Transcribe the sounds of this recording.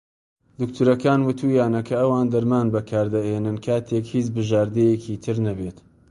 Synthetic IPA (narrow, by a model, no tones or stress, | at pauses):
d̪ʊkt̪ʰuɾɐkaːnwɨt̪ʰujaːnɐkʰɐːwaːnd̪ɐɾmaːnbɐkʰaːɾd̪ɐʔeːnɨnkʰaːt̪ʰeːkhiːt͡ʃbɨʒaːɾd̪ejekʰiːt̪ʰɨɾnɐbet̪